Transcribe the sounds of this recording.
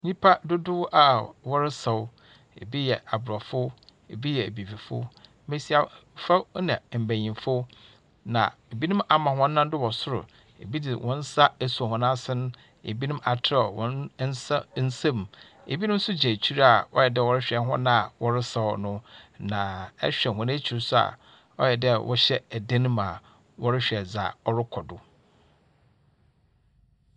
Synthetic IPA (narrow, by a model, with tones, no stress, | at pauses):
ɲĩ˦pʰa˦dʊ˦dʊ˦wʔa˨wɔ˦ɾɪ˦sa˨w | ḛ˨bi˦jɛ˨a˨bʊ˨ɾɔ˨fʊ˦ | ḛ˨bi˦jɛ˨bi˨fi˨fʊ̰˦ | me˦si˦a˨fa˦nã˨m̩˨bæ̃˨ɲĩ˨mfʊ˦ | nã̰˨e˨bi˦nĩ˦ma˨mã˨ɦɔ̃ː˦ã˦n˦dʊ˦wɔ˨sʊ˦ɾʊ̰˨ | ḛ˨bi˦dɪ˨wʔɔ̰̃˦n̩˦sa˦e˨su˨hɔ̃˨nã˦sɪ˦nʊ̃˦ | ḛ˨bi˦nũ˦ma˨tʰa˦ɔ˨wɔ̰̃˦n˦sn̩˦sã˦m˨ | ḛ˨bi˦nʊ̃˦m̩˦sʊ˦d͡ʑæ̃˨t͡ɕʰi˦ɾa˨ɔ̰˦jɛ˨dɛ˦˨wɔ˦ɾɪ˦ɕᶣɛ˨ɦɔ̰̃˦nã˦a˨wɔ˦ɾɪ˦sa˨nʊ̃˦nã˨ɛ̰˦ɕᶣɛ˨hɔ̃˨n˦æ˦t͡ɕʰi˨ɾsʊ˦a̰˨ | ɔ̰˦jɛ˨dɛ˦wʔɔ̰˦ɕɛ˦æ˨dẽ˦nũ˦ma˨ | wɔ˦ɾɪ˦ɕᶣɛ˨d͡za̰˨ɔ˦ɾɪ˦kʰɔ˨dʊ˨